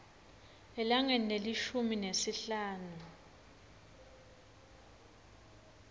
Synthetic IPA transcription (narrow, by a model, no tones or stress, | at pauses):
ɛlaŋɛneliʃuminesiɬaːnu